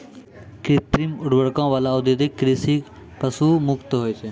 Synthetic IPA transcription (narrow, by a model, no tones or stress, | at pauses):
kɾɪt̪ɾimʊɽbəɽkãːʋaːlaod̪jod̪ɪkːɾisik | pəsuːmʊkt̪ɦoːjt͡ʃʰeː